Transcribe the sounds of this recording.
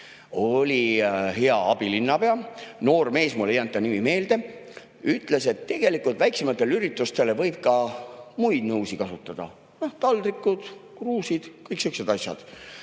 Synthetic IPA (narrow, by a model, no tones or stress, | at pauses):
o̞lʲihe̞ɑɑb̥ilinːɑpe̞ɑno̞ːrme̞ːsmulejɑnt̪ːˑɑnimime̞ːld̪e̞ | yt̪ˑle̞se̞t̪ːe̞ɡ̥e̞likːˑult̪væjksemɑt̪ːˑe̞lyɾit̪ːˑust̪e̞levɤ̞jb̥̚kɑmujd̪̥nɤwsikɑsut̪ːˑɑd̪̥ɑ̰ | noht̪ɑld̪ɾikːˑud̪̥kruːsid̪̥kɤjksyksed̪̥ɑsʲjɑ̰d̪̥